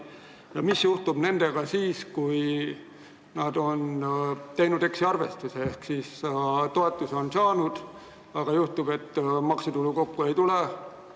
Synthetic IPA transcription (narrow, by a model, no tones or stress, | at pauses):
jɑmisjuht̪ub̥ne̞nd̪e̞ɡ̥ɑsiːskuj | nɑd̪o̞nt̪e̞jnud̪e̞ksiɑrve̞̰st̪useehksiːst̪o̞et̪ːˑuso̞nsɑːnud̪̥ | ɑɡ̥ɑjuht̪ub̥e̞t̪ːmɑksut̪uluko̞kːue̞jt̪ule